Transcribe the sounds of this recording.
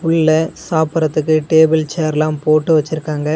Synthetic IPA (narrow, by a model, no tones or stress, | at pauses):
ʊɭːɐsaːpɐɾɐt̪ːɯkːɯʈeːbɪlt͡ʃeːɾlãːmpoːʈːɯʋɐt͡ʃːɪɾɯkːaːŋɡɐ